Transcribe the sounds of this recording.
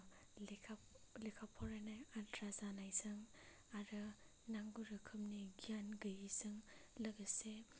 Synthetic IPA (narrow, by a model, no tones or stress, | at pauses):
ekʰlekʰapʰɔɾanajadɾazanajzɯŋ | aɾɯ | naŋɡuɾɯkʰɯmniɡijanɡɯjizɯŋlɐɡəse